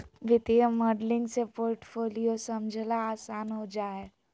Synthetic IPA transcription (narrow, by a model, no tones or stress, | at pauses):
ʋɪt̪ijəmoːɖlɪ̃ŋɡsepoːɾʈfʰoːlijosɐmd͡ʒʱlaaːsaːnɦod͡ʒaːe